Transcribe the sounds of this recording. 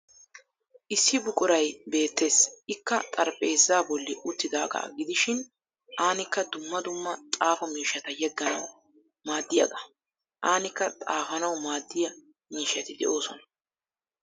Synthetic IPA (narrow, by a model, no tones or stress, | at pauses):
ʔɪsːɪbʊkʼʊɾɐjbe̞ːt̪ːe̞ːsɪkːɐt̪ʼɐɾpʼe̞ːzːaːbɔlːɪʔʊt̪ːɪd̪aːɡa̰ːɡɪd̪ɪʃɪn | ʔaːnɪkːɐd̪ʊmːɐd̪ʊmːɐt̪ʼaːfɔmiːʃɐt̪ɐjɛɡːɐnɐw | maːd̪ːɪjɐ̰ɡɐ | ʔaːnɪkːɐt̪ʼaːfɐnɐwmaːd̪ːɪjɐ | miːʃːɐt̪ɪd̪ɛ̰ʔo̞ːsɔnɐ